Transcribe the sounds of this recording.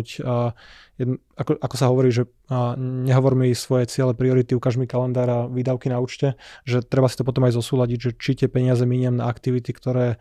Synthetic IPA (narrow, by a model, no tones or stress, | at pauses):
cː | jɛ | akɔʔakɔsaɦɔʋɔɾiːʒɛ | ɲɛɦɔʋɔɾmisʋɔjɛt͡sɪɛlɛpɾiɔɾit̪iukaʒmikalɛnd̪aːɾaʋiːd̪aʊkinauːt͡ʃcɛʒɛt̪ɾɛbasi̥t̪ɔp̬ɔt̪ɔmajzɔsuːlaɟiɟʒɛt͡ʃit̪ɪɛpɛɲɪazɛmiɲɪɛmna̰ːkt̪iʋit̪ikt̪ɔɾɛː